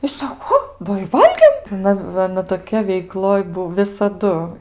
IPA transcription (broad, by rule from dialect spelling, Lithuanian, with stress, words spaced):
ɪ ˈsɑːkoː ˈoː ˈdɐ ɪ ˈʋɐlʲɡʲeːm ˈnʊ ˈʋɐ ɐˈnɐ toːˈkʲɛ ʋʲɛɪˈklˠoːj ˈbuɔ ʋʲɪsɐˈdʊ